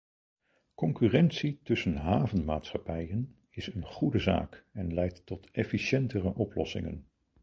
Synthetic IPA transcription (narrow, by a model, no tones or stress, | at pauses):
kɔŋkyːrɛntsitɵsənɦaːvənma̰ːtsχɑpɛjən | ɪsənχudəza̰ːkɛnlɛjtːɔtʰɛfiʃɛntərəʔɔplɔ̰sɪ̰ŋə̰n